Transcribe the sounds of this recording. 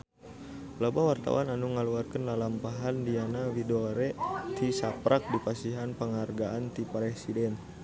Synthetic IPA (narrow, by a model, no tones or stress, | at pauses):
labawart̪a̰wananuŋəluarkənlalampaɦandianawidoɾɛt̪isapɾʔak̚dipasiɦanpəŋarɡaant̪ipɾɛsidɛn